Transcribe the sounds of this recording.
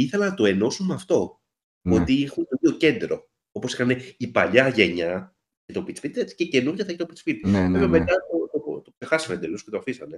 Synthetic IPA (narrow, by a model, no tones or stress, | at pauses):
iθe̞lɐnɐt̪o̞e̞no̞sunmeɐft̪o̞ | o̞t̪iixunt̪oioce̞nd̪ɾo̞ | o̞po̞sixɐne̞ipɐʎɐʝe̞ɲɐ | cet̪o̞pit͡sfit̪ɐt͡si̥cece̞nuɾʝɐθɐçet̪o̞pit͡sfit̪veveme̞t̪ɐt̪ot̪ot̪oksexɐsimend̪elosce̞t̪oɐfisɐne̞